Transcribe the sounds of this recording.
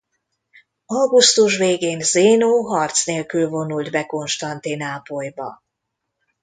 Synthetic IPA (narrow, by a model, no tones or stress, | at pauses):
ɒwɡust̪uʃ̬veːɡeːnzeːnoːɦɒrt̪sneːlkylvo̞nuld̪bɛko̞nʃt̪ɒnt̪inaːpojbɒ̰